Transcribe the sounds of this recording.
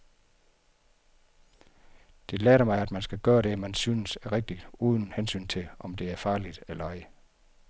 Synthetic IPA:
d̥e̝lɛːɾɐmɑ̈ɪæd̥mænsɡ̥æɡ̥ɶːɐɾ̥e̝mænsynəsæɐʁeɡ̥̚d̥id̥uːð̞ˠn̩hensy̰ːnt͡sʰe̝lʔɒ̽md̥e̝æɐfɑ̈ːlid̥ælɑ̈ɪə

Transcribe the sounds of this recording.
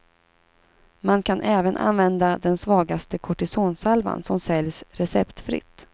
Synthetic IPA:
mankʰanʔɛːvənʔa̰nvɛnd̪ad̪ɛnsvɑːɡast̪əkʰɔʈɪsoːnsalva̰nsɔmsɛljsɾɛsɛpt̪fɾɪ̰t̪ː

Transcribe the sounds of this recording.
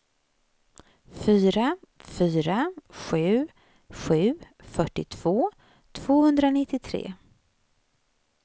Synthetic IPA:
fyːɾafyːɾaɧʉ̟ː | ɧʉ̟ː | fœʈːɪt̪ʰv̥oː | t̪ʰv̥oːhɵnd̪ɾanɪt̪ːɪt̪ʰɾḛː

